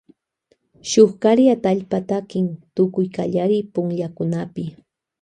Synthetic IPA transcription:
ʃoχkaɾjat̪aaʎpat̪akɪŋt̪ʊkʊjkaʎaɾɪpʊŋʎakʊnapɪ

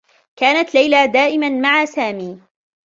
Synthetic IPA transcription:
kaːnat̪lajlad̪aːʔɪmanmaʕasaːmiː

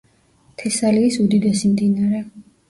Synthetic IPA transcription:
t̪ʰɛsaliːsud̪id̪ɛsimd̪inaɾɛ

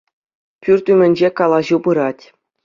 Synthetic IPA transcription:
pʲyrʲt̪ʲymʲɘ̆nʲd͡ʑekɑlˠɑʑubɯɾɑtʲ

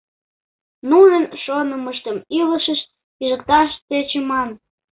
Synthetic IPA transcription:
nuʒənʃonəməʃt̪əmiləʃəʃ | iʒəkt̪ɑʃt͡set͡ɕemɑn

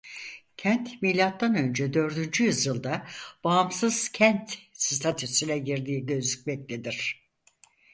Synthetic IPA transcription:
cʰænt̪milʲːat̪ːanø̞nd͡ʒɛd̪ø̞ɾd̪ynd͡ʒyjɯzɯlˠd̪ab̥aːmsɯz̥cʰænt̪sist̪ʰat̪ʰysilʲɛɟiɾd̪iːɟø̞zyc̚mɛc̚t̪ʰʲed̪iɾ̝̥

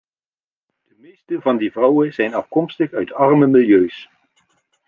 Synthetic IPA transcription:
d̥əmejstəvɑndivrʌwənzɛjnɑfkɔmstəχœɥtɑrməmɪlˠjøɥs

